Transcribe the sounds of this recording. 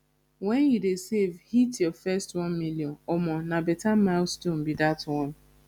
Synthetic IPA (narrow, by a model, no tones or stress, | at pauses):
wɛnjidesevhitjɔfɛstwɔ̃nmiljɔ̃nɔmɔnabɛtamalstom̩bidatwɔ̃n